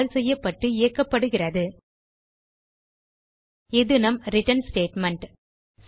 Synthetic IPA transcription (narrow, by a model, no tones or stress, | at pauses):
lsɛjːɐpːɐʈːɯɪjɐkːɐpːɐɽɯɣɪrɐðɯ | ɪðɯnɐmɾɪʈɐnsʈeːʈmɐɳʈ | s